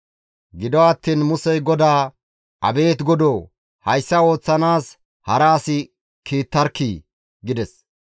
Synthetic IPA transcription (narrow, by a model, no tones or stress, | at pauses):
ɡɪd̪ɔɐt̪ːiːnmʊsɛjɡɔd̪aː | ʔɐ̰be̞ːt̪ɡɔd̪oː | hɐjsːɐo̞ːt͡sːɐnaːs | hɐɾaːsɪ | kʰiːt̪ːɐɾkːiː | ɡɪd̪ɛs